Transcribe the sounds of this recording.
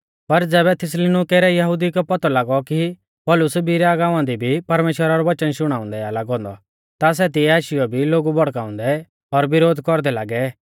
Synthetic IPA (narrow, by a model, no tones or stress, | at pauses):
pɐɾd͡zɛːβɛt̪ʰɪs̬lenukeːɾɛjɐɦʊd̪ikɛpɐt̪ɔlaːɡɔki | pɔːlʊsbiɾɛaɡaːʊ̃ãnd̪ibʱipɐɾmeːʃwəɾaɾɔʋɐt͡ʃənʃʊɽ̃aːʊ̃nd̪ɛalaɡɦɔ̃ːnd̪ɔ̰ | t̪as̬ɛt̪̬iɛaːʃɪjɔbʱiloːɡubɔɽkaːʊ̃nd̪ɛ | ɔɾbɪɾoːd̪ʱkɔɾd̪ɛlaːɡɛ